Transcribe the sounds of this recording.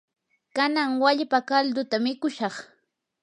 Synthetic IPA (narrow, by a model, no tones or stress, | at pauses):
kanaŋwaʎpakald̪ʊt̪amɪkʊʃɑχ